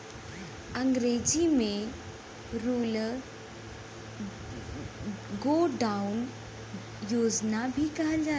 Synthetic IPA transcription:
əŋɡɾed͡ʑimẽ | ɾul | ɡoɖaun | jod͡ʒnabʱikɐɦəld͡ʒaː

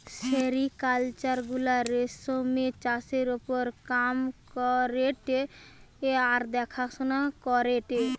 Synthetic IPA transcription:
ʃeɾikalt͡ʃaɾɡulaɾesomet͡ʃaseɾopoɾkamkɔɾeʈe | aɾd̪ɛkʰasonakɔɾeʈe

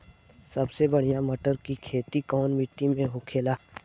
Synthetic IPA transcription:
sɐbsebɐɽ̤ijãmɐʈəɾkikʰeːt̪ikɔːnmɪʈːimẽɦʊkʰeːlaː

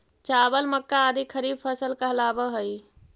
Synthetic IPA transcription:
t͡ʃaːbəlməkːaːd̪ʱikʰəɾiːb̚pʰəsəlkɐɦlaːbəɦəi

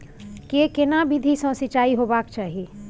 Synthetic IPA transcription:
kekɪnabid̪ʱisɔ̃ːsɪt͡ʃaːiɦoːbaːkt͡ʃaːɦieː

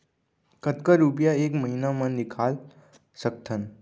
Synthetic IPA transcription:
kət̪kəɾup̬jaeːkməɦinamənːikʰal | sək̚t̪ʰən

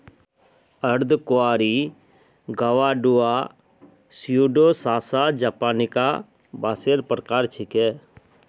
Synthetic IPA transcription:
əɾd̪kʊaːɾi | ɡəʋaːɖua | sjuːɖosaːsad͡ʒaːpaːnika | baːseːɾpɾəkaːɾt͡ʃʰɪkɛː

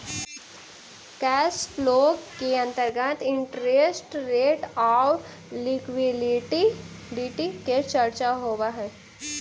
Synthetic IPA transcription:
kɛːsploːkkːeə̃nt̪əɾɡət̪ɪɳʈɾesʈɾeːʈaːw | likwiɖʈiɖiʈiket͡ʃəɾt͡ʃaɦoːʋaɦɛː

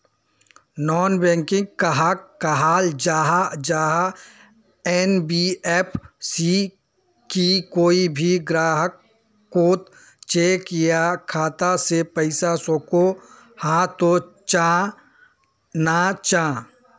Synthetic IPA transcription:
nɔːnbɛ̃ːŋkɪ̃ŋɡ̚kaɦakːaɦaːld͡ʒaːɦad͡ʒaːɦa | ɛːnbieːpʰsi | kikoːibʱiɡɾaːɦəkː | oːt̪ | t͡ʃeːkɪjakʰaːt̪asepəɪsasoːko | hãːt̪ot͡ʃa | nat͡ʃãː

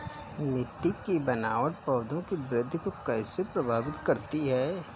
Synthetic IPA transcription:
mɪʈːɪkːibɐnaːʋəʈ̚pɐːd̪ʱõkibɾɪd̪ʱːkokɛːsepɾɐbʱaːʋɪt̪kɐɾt̪iɦɛː

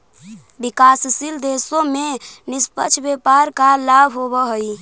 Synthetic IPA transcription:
bikassild̪esomenispət͡ʃʰbepaɾkalabʱɦoβəɦəj

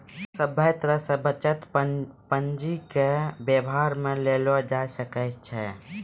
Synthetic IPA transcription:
səbʱəjt̪ɾəsə̃bət͡ʃət̪pənd͡ʒikebjəbɦaɾmelelɔd͡ʒasəkət͡ʃt͡ʃʰɛ

